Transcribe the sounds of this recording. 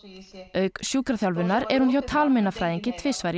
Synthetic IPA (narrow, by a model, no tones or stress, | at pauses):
œːɥksjuːkɾaθjawlvʏnːaɾɛɾ̥hunçawt̪ʰaːlmenːafɾaːjðɪɲcɪt̪ʰvɪːsvaɾ